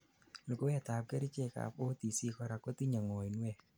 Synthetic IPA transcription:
lo˨ko˦ja˨ta˨p̚ke˦ɾi˦t͡ʃe˦˨ka̰˨po˦t̪i˨si˦kɔ˦ɾa˨ko˦t̪i˦ɲa˨ŋɔ˨i˨nwɛ˦˨

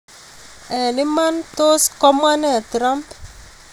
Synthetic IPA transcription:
ɛ˨nɪ˦ma˦nt̪o˦skɔ˦ma˦ne˨t̪ɾa˦mp

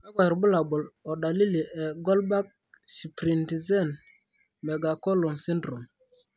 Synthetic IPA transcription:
mɛ˦ɡa˨ɾbʊ˦la˨bɔ˨lɔ˨da˨li˦li˨ʔɛ˨ɡɔ˦lba˦k̚ | si˨pɾi˨nti˨zɛ˦˨n | mɛ˨ɡa˨kɔ˦lɔ˨nsɛ˦ndɾu˨m

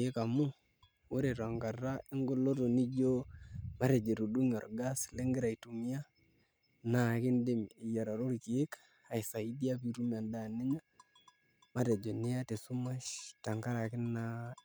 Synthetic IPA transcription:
e˦ka˨mu˦ | wo˦ɾe˨ɾa˨ŋɡa˨ra˦ɪ˦ŋɡo˦lo˦to˨ni˦d͡ʒo˦ma˦ɾe˨d͡ʒe˨ɾu˨du˦ŋɔ̰˨rɡa˦sle˦ŋɡɪ˦ɾa˨i˨tu˨mi˦a˦ | na˦kɪ˦nde˦miː˨ja˨ɾa˨ɾo˦ɾki˨e˦k | a˨sa˨i˦di˦a˦pi˨ɾu˦m˨a˨nda˦˨ne˦ɲa˦ | ma˦ɾe˨d͡ʒo˨nɪ˦ja˦te˨su˦ma˦ʃta˨ŋka˦ɾa˨kɪ˦nːa˦

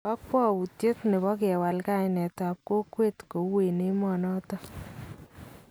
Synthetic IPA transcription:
ɔ˦k̚pɔ˦u˨tje˦tne˨βɔ˦kɛ˨wa˨lka˦jnɛ˨ta˨p̚ko˦kwe˦tko˨we˨ne˦mɔ˨nɔ˦tɔ˦

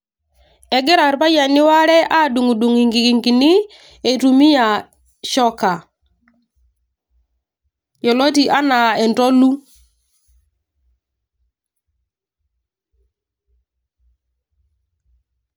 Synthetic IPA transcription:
ɛ˨ɡɛ˦ɾa˨ɾpa˦ja˨nɪ˦wa˦ɾɛ˦ʔa˦du˨ŋu˨du˨ŋi˨ŋɡi˨ki˨ŋɡi˨ni˦ | e˨tu˨mi˦ja˨ | ʃɔ˦ka˨ | jɔ˨lo˦ti˨ʔa˦na˨ɛ˨ntɔ˦lu˦

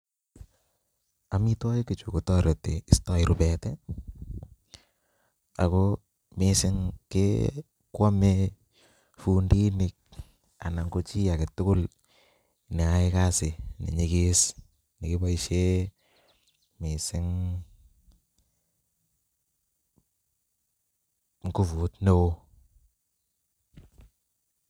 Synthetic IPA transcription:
ami˦tɔ˦ɪ˦kɪ˨t͡ʃu˨ku˨tɔ˦ɾe˨te˨ɪ˨stɔ˦ɪɾʊ˨pɛ˨tɛ | a̰˨ko | mesɪ˦ŋkḛ | kwa˦me | fundi˦nɪk̚ | a˨na˨ŋɡo˦t͡ʃi˦a˨ke˨tʊ˦kʊ˦l | nɪ˨a˦ɪ˦ka˦sɪ˨nɪ̰˨ɲɪ˨kɪ˦s | nɪ˨kɪ˦ba˦i˦ʃe˦ | mɪ˨sɪ˦ŋ | ŋkʊ˦fu˨tno˦o˦

